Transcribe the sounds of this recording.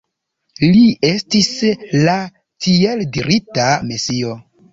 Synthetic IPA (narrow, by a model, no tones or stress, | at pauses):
lie̞stisla | tieldiɾitamesio̞